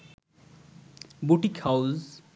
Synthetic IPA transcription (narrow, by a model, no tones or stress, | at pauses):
buʈikhawz